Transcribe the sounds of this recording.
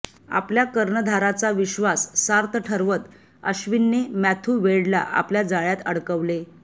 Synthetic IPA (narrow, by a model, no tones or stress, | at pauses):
a̰pljakəɾɳəd̪ʱaɾat͡saʋiɕʋasːaɾt̪ʰəʈʰəɾʋət̪ | əɕʋinːemæt̪ʰuːʋeɭla̰ʔa̰pljad͡zaɭjat̪əɽkəʋle